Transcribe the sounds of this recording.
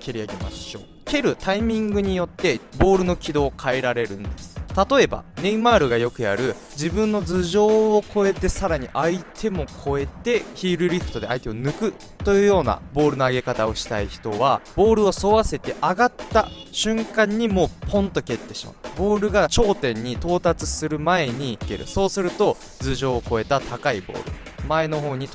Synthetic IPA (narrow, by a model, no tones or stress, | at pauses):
kʲeɾʲiaɡe̞ma̰ɕo̞ː | kʲe̞ɾɯ̟t̪aimʲĩŋɡɯ̟ɲ̟ijo̞t̪ːe̞bo̞ːɾɯ̟no̞kʲid̪o̞ːkʰaeɾaɾe̞ɾɯ̟̃nd̪e̞sɨ̥t̪at̪o̞e̞ba̰neimaːɾɯ̟ɡajo̞kɯ̟ja̰ɾɯ̟ | d͡ʑibɯ̟̃nːo̞d͡zɨʑo̞ːkʰo̞e̞t̪e̞saɾaɲ̟iʔait̪ʰe̞mo̞kʰo̞e̞t̪e̞çiːɾɯ̟ɾʲiɸɯ̥t̪o̞d̪e̞ait̪e̞onɯ̟kɯ̟ | t̪o̞jɯ̟ːjo̞ːna̰bo̞ːɾɯ̟no̞aɡe̞kat̪ao̞ɕi̥t̪a̰içi̥t̪o̞βab̥o̞ːɾɯ̟o̞so̞βase̞t̪e̞ʔaɡat̪ːaɕɨ̃ŋkãɲ̟ːimo̞ːpʰõ̞nt̪o̞ke̞t̪ːe̞ɕi̥̰ma̰bo̞ːɾɯ̟ɡat͡ɕo̞ːt̪ẽ̞ɲ̟ːit̪o̞ːt̪at͡sɨsɨɾɯ̟mae̞ɲ̟iike̞̰ɾɯ̟̰so̞ːsɨɾɯ̟t̪o̞ | d͡zɨʑo̞ːko̞e̞t̪at̪ʰakaibo̞̰ːɾɯ̟̰ | mae̞no̞ɦo̞ːɲ̟it